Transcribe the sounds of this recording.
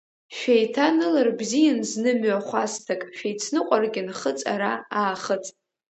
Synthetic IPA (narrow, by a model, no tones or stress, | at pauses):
ʃᶣajtʰanɨlarbzijanznɨmɥaχʷastʰakʼʃᶣejt͡sʰnɨqʷʼarɡʲɪnχət͡sʼa̰ɾaaːχət͡sʼ